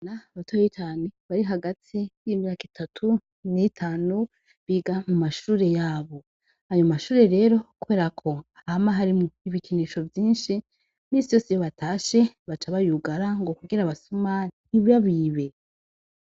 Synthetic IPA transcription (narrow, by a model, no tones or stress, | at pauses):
naβatʰoːjit͡ʃaːneβaɾiɦaɡatijimɲaːki̥tʰatʰu | nitʰaːnu | βiɡamumaʃuːɾe̞jaːβo̞ | ajomaʃuːɾe̞ɾe̞ɾo̞kuβe̞ːɾakʰo̞ahamaɦaɾimuiβikʰiniʃo̞vjiːnʃi | miːsijo̞ːsijoβatʰaːʃe̞βat͡ʃaβajuɡaɾaŋɡo̞kuɡiɾaβasumaniβjaβiːβe